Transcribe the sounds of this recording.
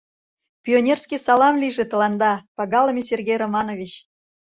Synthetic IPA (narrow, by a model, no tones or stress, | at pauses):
pʲionʲerskʲisɑlɑmlʲiʒĕt̪ə̆lɑnd̪ɑpɑɣɑləmʲesʲerɡʲejromɑnovʲit͡ɕ